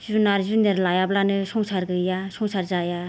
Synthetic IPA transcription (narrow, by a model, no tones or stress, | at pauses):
zunarʑunerlajap̚lanəʂʰoŋsʰarɡəjasʰoŋsʰarzaja